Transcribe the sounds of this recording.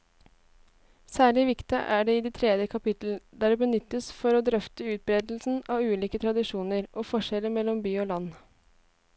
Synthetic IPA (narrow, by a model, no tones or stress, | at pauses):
sæːɭɪʋɪkt̪əʔæɖɛːɪd̪iːt̪ʰɾɛːd̪jəkʰɑpɪt̪l̩d̪æːɖɛːbənʏt̪ːəsfɔɾɔd̪ɾœft̪əʉːt̪̚bɾeːd̪l̩sn̩ɑʉːliːkət̪ʰɾɑd̪ɪʂuːnəɾʔoːfɔʂɛləmɛlːɔmbyːoːlɑnː